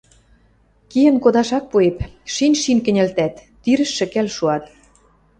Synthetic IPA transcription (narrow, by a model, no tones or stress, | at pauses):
kijə̆nkod̪ɑʃɑk̚puepʃinʲʃinkɘ̆nʲɘ̆lt̪æt̪ːyɾɘ̆ʃːɘ̆kælʃuɑt̪